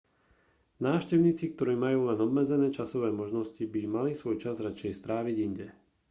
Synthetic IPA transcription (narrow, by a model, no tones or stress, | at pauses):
naːfʃcɛʊɲiːt͡sik̚t̪ɔɾiːmajuːlɛnɔbmɛd͡zɛnɛːt͡ʃasɔʋɛːmɔʒnɔscibimalisʋɔjt͡ʃazɾat͡ʃɛjst̪ɾaːʋiɟiɲɟɛ